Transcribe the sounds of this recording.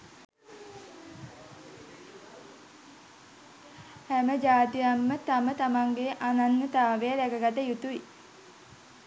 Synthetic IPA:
hæməd͡ʒaːt̪ijamːət̪amət̪amaŋɡeʔananːət̪aːʋejəlækəɡat̪əjut̪uʋi

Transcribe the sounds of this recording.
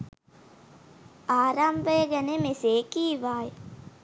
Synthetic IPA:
aːɾambəjəɡɛnemeseːkiːʋaːj

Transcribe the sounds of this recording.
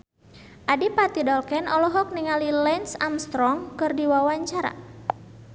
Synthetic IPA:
ʔadipat̪idɔlkɛnɔlɔɦɔk̚niŋalilɛnsamst̪ɾɔŋkɨrdiwawaɲt͡ʃaɾa̰

